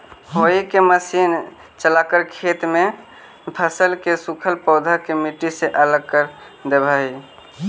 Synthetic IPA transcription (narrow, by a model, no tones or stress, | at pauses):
ɦoikeməsin | t͡ʃəlakəɾkʰet̪me | pʰəsəlkesukʰəlpəʊd̪ʱəkemiʈiseʔələɡ̚kəɾ | d̪ebʱəɦi